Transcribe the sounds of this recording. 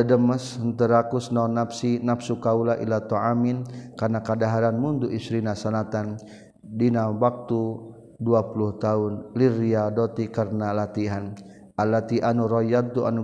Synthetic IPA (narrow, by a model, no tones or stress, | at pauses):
ədəməsənt̪əɾakusnaunapsinafsukaulaʔilat̪ɔaminkarnakadaɦaɾanmunduʔisɾinasalat̪an | dinawak̚t̪u | duapuluht̪aʊnliriadɔt̪ikarnalat̪iɦan | ʔalːat̪iʔanuɾɔjad̪̚t̪uʔa̰nu